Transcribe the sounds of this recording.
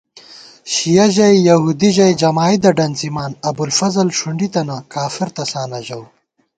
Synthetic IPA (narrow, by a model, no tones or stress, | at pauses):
ɕijɐʑɐjjɐhuːd̪iʑɐjd͡ʒɐmaːjd̪ɐɖɐnzimaːnɐbulfɐzɐlʂuɳɖit̪ɐnakaːfiɾt̪ɐsaːnɐʑɐw